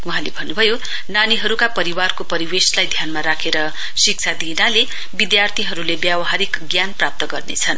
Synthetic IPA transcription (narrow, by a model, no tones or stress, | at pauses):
wɦãlebʱʌnːubʱʌjo | naniɦʌɾukapʌɾiwarkopʌɾiweslajd̪ʱjanmaɾakʰeɾʌ | sik̚t͡sʰad̪inale | bid̪jart̪ʰiɦʌɾulebjabʌɦaɾikɡjanprap̚t̪ʌɡʌrnḛt͡sʰʌn